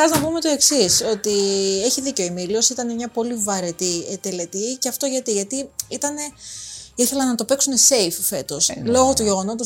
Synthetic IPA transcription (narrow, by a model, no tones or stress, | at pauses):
ɐznɐpume̞t̪o̞e̞ksiso̞t̪ie̞çiðiceoimilio̞sit̪ɐne̞mɲɐpo̞livɐɾe̞t̪iet̪e̞le̞t̪iceɐft̪o̞ʝɐt̪iʝɐt̪iit̪ɐne̞iθe̞lɐnɐt̪ope̞ksune̞se̞jffe̞t̪o̞slo̞ɣot̪uʝe̞ɣo̞no̞t̪us